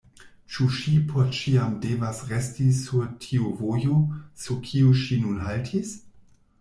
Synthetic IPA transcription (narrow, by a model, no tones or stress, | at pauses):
t͡ʃuʃipʰot͡ʃiamdevasʁestisuɾtʰiuvojosukʰioʃinunɦaltʰis